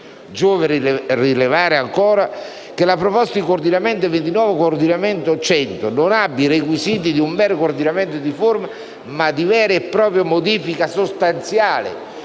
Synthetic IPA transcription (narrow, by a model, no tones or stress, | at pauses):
d͡ʒoːveɾrilevaːɾɪaŋkoːɾa | kelapɾopɔst̪ad̪ikord̪inament̪̬event̪inɔːvekoːrd̪inament̪ot͡ʃɛnt̪ononabːirekwisiːt̪̬id̪iumbɛːɾkord̪inament̪od̪iforma | mad̪ivɛːɾeːpːɾɔːpɾjomod̪iːfikasost̪ant̪sjaːlɪ̰